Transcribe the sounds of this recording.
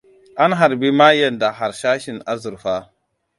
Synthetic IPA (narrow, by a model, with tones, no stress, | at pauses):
ʔa˦nɦa˨ɾbi˦ma˦je˨nda˨ɦa˨ɾʃa˦ʃi˨na˦zu˨ɾfa˦